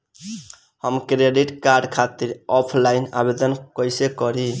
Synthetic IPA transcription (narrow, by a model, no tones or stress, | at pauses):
həmkɾeɖiʈkaɾɖkʰat̪iɾɔpʰlaɪna̰bed̪ənkəjsekɔɾi